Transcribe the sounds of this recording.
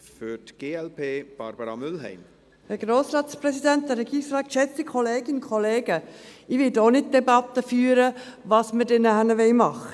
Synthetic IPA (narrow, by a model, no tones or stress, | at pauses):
fʏɾtɡ̥eːɛlpʰeːb̥ɑɾb̥əɾɑmʏlɦɛ̰ɪm | həɡ̥ɾoːsɾɑːtspɾɛsidænt̚d̥ɛɾɛɡiːsɾɑːkʃɛt͡sikχɔleːɡɪnkʰɔleːɡəɪʋɪtoːnɪt̚d̥ɛbɑt̪ːəfyːəɾəʋɑːsmədɛnəɦænəʋɛɪmɑχə